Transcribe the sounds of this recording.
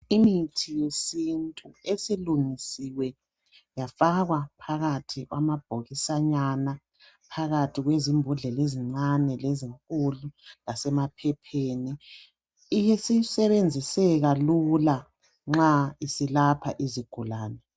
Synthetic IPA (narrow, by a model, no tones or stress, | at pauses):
imitʰijesintʼuesiluŋisiwɛ | jafaɣwapʰaɣatʰiɣwa̰mab̥ʱoɣisaɲana | pʰaɣatʰiɣwezimbʱuɮɛleziŋ͡ǀanɛleziŋkʼululasɛmapʰɛpʰeːni | ijesisɛβend͡zʱisɛɣalula | ŋ͡ǁaisilapʰa̰ʔiziɡ̥ʱulaːnɛ